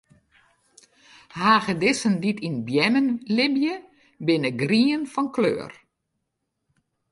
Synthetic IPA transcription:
haːɣədɪsənditʰinbjɛmənlɪbjə | bɪnəɡriənfɔnklø̰ːər

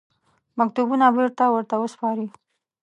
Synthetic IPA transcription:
mak̚t̪ubunabiɾt̪awəɾt̪awəspɑɾi

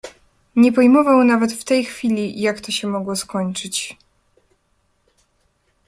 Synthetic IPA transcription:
ɲɛpɔjmɔvawnavɛt̪ft̪ɛjxfʲilʲijakt̪ɔɕɛmɔɡwɔskɔɲt͡ʂɘt͡ɕ

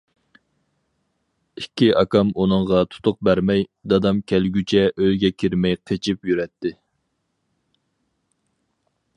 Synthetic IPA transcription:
ikʲʰːiʔɑkɑmunɨŋʁɑt̪ʰʊ̥t̪ʰʊq̚bæɾmɛjd̪ɑd̪ɑmkʲʰɛlɡʲyt͡ʃʰɛʔøjɡʲɛkʲʰiɾmɛjqʰet͡ʃʰipjyɾɛt̪ʰːɪ

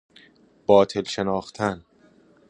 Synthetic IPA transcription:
b̥ɒːt̪ʰe̞lʃe̞nɒːxt̪ʰæn

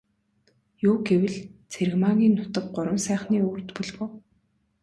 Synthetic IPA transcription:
juːɡewɘ̆ɮt͡sʰeɾ̆ɣmaɣʲiːnːʊt̪ə̆k̚ɢʊɾwə̆msæːχniːuːrt̪puɮɣʊ̆w

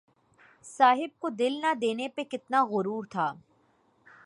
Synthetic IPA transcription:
saːɦɪb̚kod̪ɪlnad̪eːnepekɪt̪naɣʊɾuːɾt̪ʰaː

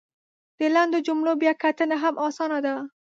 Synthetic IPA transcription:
d̪̥əland̪od͡ʒʊmɽobjɑkat̪ənaɦamʔɑsɑnad̪a

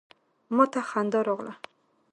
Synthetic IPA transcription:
mɔt̪aχand̪ɔɾɔʁla̰

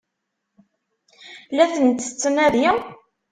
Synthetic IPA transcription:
læθənt̪ːə̥t͡sːmæðjɪ

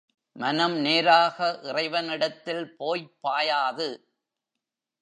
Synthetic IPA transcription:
mɐnɐmneːɾaːɣɐʔɪrɐɪʋɐnɪɽɐt̪ːɪlpoːjpːaːjaːðɯ

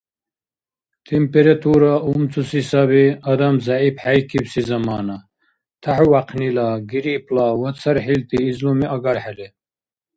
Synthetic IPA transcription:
t̪ʰimpeɾat̪ʰuɾaumt͡sʰusisaβiɐd̪ɐmzaipħajkʰibsizɐmaːna | t̪ʰaħuwaqʰnilaɡiɾiplawɐt̪t͡sʰɐɾħilt̪iːzlumiʔɐɡaɾħele

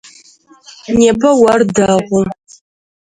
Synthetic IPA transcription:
neːpʰɐwɐrdaʁʷʊ

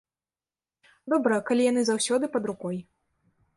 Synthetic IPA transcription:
d̪ɔbɾɐkalʲijan̪ɨzawsʲɔd̪ɨpɐd̪ɾukɔj

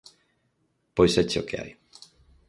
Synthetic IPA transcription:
pojsɛt͡ʃokʰea̰j

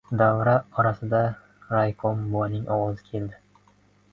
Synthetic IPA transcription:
d̪avɾaɒɾasɪd̪a | ɾajkʰombojnɪŋʔɒwɒzɪkʲʰe̞ld̪ɪ

